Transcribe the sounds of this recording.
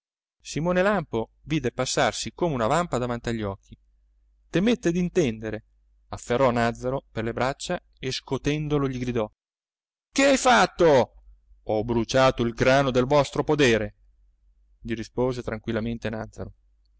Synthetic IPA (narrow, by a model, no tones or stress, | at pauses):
simoːnelampoviːd̪epasːarsikoːmeunavampad̪avant̪iaʎːɔkʰːi | t̪emet̪ːed̪int̪ɛnd̪eɾe | afːerːɔnad̪zːaɾoperlebɾat͡ʃːa | eskot̪ɛnd̪oloʎiɡɾid̪ɔ | keajfat̪ːo | ɔbɾut͡ʃaːt̪oilɡɾaːnod̪elvɔst̪ɾopod̪eːɾe | ʎiɾispoːzet̪ɾaŋkwilːament̪enad̪zːa̰ɾo